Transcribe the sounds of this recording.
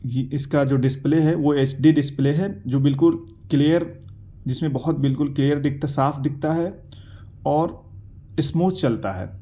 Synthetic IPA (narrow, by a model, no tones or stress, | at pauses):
jiɪskad͡ʒoːɖɪspleɦɛʋoeːt͡ʃɖiɖɪspleːɦɛd͡ʒoːbɪlkʊl | kliːəɾ | d͡ʒɪsmẽbɐɦʊt̪̚bɪlkʊlkliːjəɾd̪ɪk̚ʰt̪asaːfʰd̪ɪk̚ʰt̪aɦɛ | ɔːɾ | ɪsmuːt͡ʃt͡ʃɐlt̪aɦɛ̰ː